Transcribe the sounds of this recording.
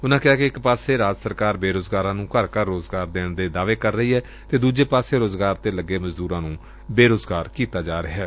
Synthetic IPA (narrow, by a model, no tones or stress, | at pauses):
ʊnãːkɪaːkeɪkpaːseːɾaːd͡ʒsəɾkaːɾbeːɾoːzɡaːɾãːnũːkəɾkəɾːoːzɡaːɾd̪eːɳd̪eːd̪aːʋeːkəɾːəɦiːɦɛː | t̪eːd̪uːd͡ʒeːpaːseːɾoːzɡaːɾt̪eːləɡːeːməzd̪uːɾãːnũː | beːɾoːzɡaːɾkiːt̪aːd͡ʒaːɾɪɦɛː